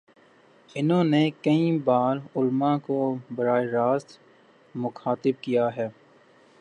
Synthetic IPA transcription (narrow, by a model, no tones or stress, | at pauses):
ɪnɦõːnekɐĩbaːɾʊlmãkobɐɾaːeɾaːst̪ | mʊxaːt̪ɪb̚kijaɦɛː